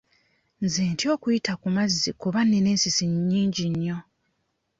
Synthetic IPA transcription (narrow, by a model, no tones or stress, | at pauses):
nzeːntjo̞ːkujitakumazːikuβanːine̞ːnsisiɲːiːɲɟiɲːo̞